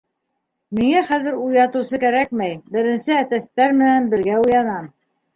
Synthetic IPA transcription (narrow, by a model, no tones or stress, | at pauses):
miŋæχæðɘ̆ɾujɑt̪ɤ̆wsɤkæɾæk̚mæjbɘ̆ɾɘ̆nsɘæt̪æst̪æɾmɘ̆nænbɘ̆ɾɡæujɑnɑm